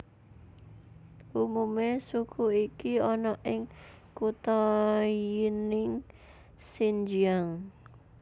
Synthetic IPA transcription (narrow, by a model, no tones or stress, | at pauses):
ʔumumesukʰuikiɔnɔʔɪŋ | kut̪ɔjinɪŋ | sind͡ʒiaŋ